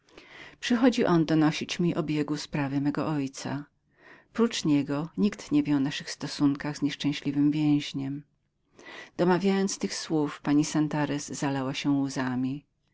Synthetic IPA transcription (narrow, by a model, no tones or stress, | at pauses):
pʂɨxɔd͡ʑiʔɔnd̪ɔnɔɕit͡ɕmʲiʔɔbʲjɛɡuspɾavɘmɛɡɔʔɔjt̪sa̰ | pɾut͡ʂɲɛɡɔɲikt̪ɲɛvʲjɛɔnaʂɘxst̪ɔsuŋkaɣzɲɛʂt͡ʂɛ̃ɕlʲivɘmvʲjɛ̃w̃ʑɲɛm | d̪̥ɔmavʲjajɔnt̪st̪ɘxswufpaɲisant̪aɾɛzːalawaɕɛuzamʲi